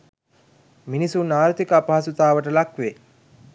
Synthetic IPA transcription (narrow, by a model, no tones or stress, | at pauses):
minisunaːɾt̪ikəapaɦasut̪aːʋəʈəlakʋe